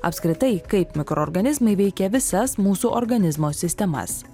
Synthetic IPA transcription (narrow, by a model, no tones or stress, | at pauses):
ɐ̰pʲskɾʲɪt̪ɐɪkɐɪpmʲɪkɾoːɾɡɐnʲɪzmɐɪʋʲɛɪkʲɛʋʲɪsɐsmuːsuːʔoɾɡɐnʲɪzmoːsʲɪsʲt̪ʲɛmɐ̰s